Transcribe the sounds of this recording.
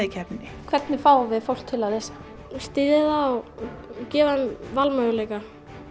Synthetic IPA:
ɪcʰɛpnɪ | kʰvɛt̪nɪfaːwvɪðfowl̥kt̪ʰɪlaðɪs | st̪iːðɪða | cɛːvanvalmœɣʏleːjka

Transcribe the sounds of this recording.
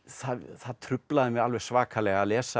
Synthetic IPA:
θaðθaðt̪ʰɾʏplaðɪmɛðalvɛɣ̥svaːkʰalɛɣalɛːsa

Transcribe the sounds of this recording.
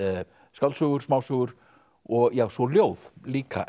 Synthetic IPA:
skawlsœːɣʏɾ̥smaːwsuːɣʏɾ̥ | ɔɣjaːwsɔljoːwðliːkʰa̰

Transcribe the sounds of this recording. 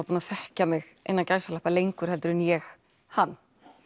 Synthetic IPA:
apuːnaθɛhcamɪɣ | ḛjnːancaːjsalɛhpalejŋkʏɾ̥hɛlt̪ʏɾɪnjɛx | hanː

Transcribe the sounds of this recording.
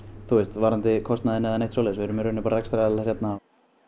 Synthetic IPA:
θuest̪vaːɾant̪ɪkʰɔst̪naðɪnːɛðɛnejht̪sowleːsvɪɛɾʏmɾʏnɪpaːɾaɾɛkst̪ɾaɛlarjɛt̪na

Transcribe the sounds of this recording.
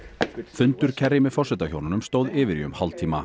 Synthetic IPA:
fʏnt̪ʏɾ̥cʰɛrːɪmɪðfɔr̥sɛt̪açownʏnʏmst̪oːwðɪːvɪɾiʏ̰mhalt̪ʰiːma̰

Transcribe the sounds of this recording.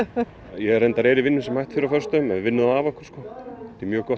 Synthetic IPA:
jɛɛɾɛjnt̪aɾɛːɾivɪnːʏsɛmhajht̪fɪɾafœr̥st̪œʏmɛðvɪnːʏðaaːvɔhkɔ̥ɾ̥skɔːt̪imjœːkɔht̪

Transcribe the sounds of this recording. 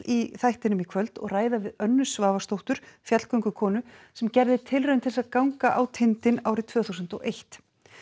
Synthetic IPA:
iθajht̪ɪnʏmikʰvœlt̪ɔ̰ɣraːjðavɪðœnːʏsvaːvast̪owht̪ʏɾ̥fjat̪l̥kœɥŋkʏkʰɔːnʏsɛmcɛɾðɪt̪ʰɪlrʏmt̪ʰɪlsaðkawŋkaʔawt̪ʰɪnt̪ɪnawɾɪt̪ʰv̥œːθuwsʏnt̪ɔejht̪

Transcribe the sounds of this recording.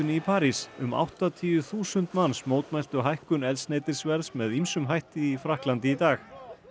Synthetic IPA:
ʏnɪipʰaːɾisʏ̰ma̰wht̪at̪ʰiːʏθuːsʏnt̪mansmoːwt̪mɛl̥t̪ʏɦajhkʏnɛlsneːjt̪ɪɾ̥svɛɾðsmɛðimsʏmɦajht̪ɪifɾahklant̪ɪit̪aːx

